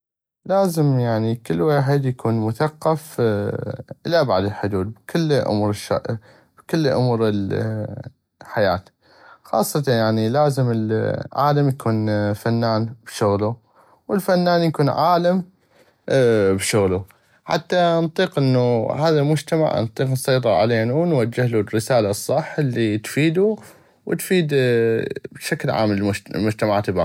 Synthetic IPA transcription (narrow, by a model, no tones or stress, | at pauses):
laːzəmjaʕnikəlːwaːħɪd̪jakʰuːnmʊθaqːɑf | ʔɪlaba̰ʕd̪əlħʊd̪uːd̪̚bkʰɪlːʔʊ̰muːɾʃa̰ | b̥kʊlːʔʊ̰muːɾɪl | ħajaːt̪ | xɑ̰ːsˤːɑt̪anjaʕnilaːzəməlʕa̰ːlamjakʰuːnfanːaːnb̥ʃʊɣlu | wɪlfanːaːnjakuːnʕaːlam | bʃʊɣlu | ħa̰t̪ːant̪ˤiːqʔɪnːuhaːðalmʊd͡ʒt̪ama̰ʕnt̪ˤiːqnsˤɑjt̪̬ˤɨɾʕa̰leːnuwnwad͡ʒːɪhlurːɪsaːlasˤːɑħːlːit̪fiːd̪u | wt̪fiːd̪ | bʃaklʕa̰ːmllmʊd͡ʒt̪amaʕaːt̪ba